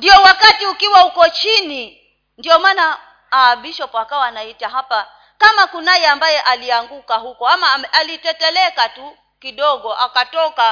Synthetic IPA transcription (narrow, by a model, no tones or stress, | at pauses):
ndiɔwakatiukiwahukɔt͡ʃini | ndiɔmana | aɓiʃɔpɔakawanaitaɦapa | kamakunajɛambajɛʔaliaŋɡukaɦukɔamaalitɛtɛlɛkatu | kiɗɔɡɔʔakatɔka